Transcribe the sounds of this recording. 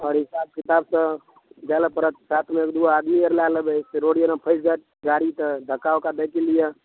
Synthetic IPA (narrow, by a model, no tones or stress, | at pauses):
ɔːɾɦɪsab̚kɪt̪aːbsə̃ | d͡ʒaləpəɾət̪saːt̪ʰmẽekd̪uaːd̪miəɾlaləbəseɾoɽijənãpʰəɪsɡa | ɡaɽit̪əd̪ʱəkaokad̪əkilijə